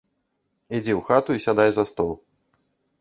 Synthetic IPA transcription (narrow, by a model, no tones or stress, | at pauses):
id͡zʲɛwxat̪uisʲad̪ajzɐst̪ɔlˠ